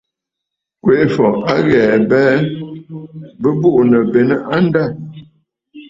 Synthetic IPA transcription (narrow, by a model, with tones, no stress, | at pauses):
kwe˨˦fɔ˨ʔa˦ɣɛ˨bɛː˦ | bə˦bu˦ʔnə˨be˨nə˦ʔa˦n˦da˦˨